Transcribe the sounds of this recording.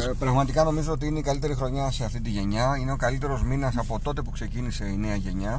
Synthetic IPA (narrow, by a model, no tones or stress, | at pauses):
pɾɐɣmɐt̪ikɐno̞mizo̞ot̪̬iineikɐlit̪e̞ɾixɾo̞ɲɐse̞ɐft̪it̪iʝe̞ɲɐine̞o̞kɐlit̪e̞ɾo̞zminɐsɐpo̞t̪o̞t̪e̞pukse̞cinise̞ine̞ɐʝe̞ɲɐ